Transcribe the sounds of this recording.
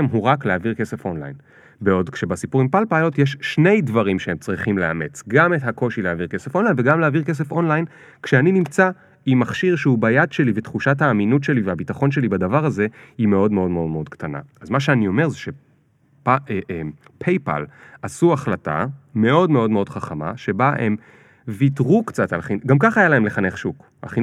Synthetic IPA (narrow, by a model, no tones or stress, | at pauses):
emɦuʁakleaviʁke̞se̞fo̞nla̰jn | beo̞dkʃebasipuʁimpalpajo̞tjeʃʃne̞jdvaʁimʃeemt͡sʁiχimlea̰me̞t͡sɡametɦako̞ʃileaviʁke̞sefo̞nlajnve̞ɡamleaviʁkes̬e̞fo̞nlajn | kʃeaninimt͡sa | imːaχʃiʁʃeubajadʃe̞livetχuʃathaːminutʃe̞liveabitaχo̞nʃe̞libadavaʁaze̞ime̞o̞dmeo̞dmeo̞dme̞o̞d̥ktana̰azmaʃeanio̞me̞ʁzeʃe̞ | pa | pʰejpa̰lasuaχlata̰me̞o̞dme̞o̞dmeo̞dχaχama̰ʃe̞baʔem | vitʁukt͡satalχinɡamkaχajalae̞mle̞χane̞χʃuk | a̰χi